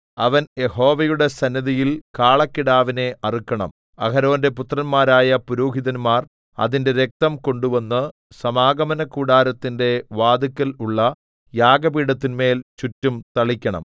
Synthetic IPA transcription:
ɐʋɐnje̞ho̞ːʋɐjuɽe̞sɐnːɐðijilkaːɭɐkːiɽaːʋine̞ʔɐrikʲːɐɳɐ̰m | ɐkɐɾo̞ːnde̞put̪rɐnmaːɾaːjɐpuɾuːɦiðɐnmaːr | ɐ̰ðinde̞ɾe̞k̚t̪ɐmko̞ɳɖuʋɐnːɨ | sɐmaːɡɐmɐnɐkːuːɽaːɾɐt̪ːinde̞ʋaːd̪ikːɐluɭːɐ | jaːɡɐbiːɽɐt̪ːinme̞ːlt͡ɕutːumt̪ɐɭikʲːɐɳɐ̰m

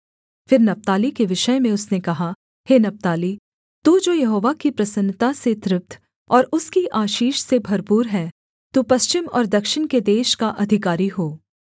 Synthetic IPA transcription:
fɪɾnɐp̚t̪aːlikeʋɪʃəjmẽʊsnekɐɦa | heːnɐp̚t̪aːli | t̪uːd͡ʒoːjɐɦoːʋakipɾɐsə̃nt̪aset̪ɾɪp̚t̪ʰ | ɔːɾʊskiʔaːʃiːʃsebʱɐɾpuːɾɦɛː | t̪upɐst͡ʃɪmɔ̰ːɾd̪ɐkʃɪnked̪eːʃkaʔɐd̪ʱɪkaːɾiɦoː

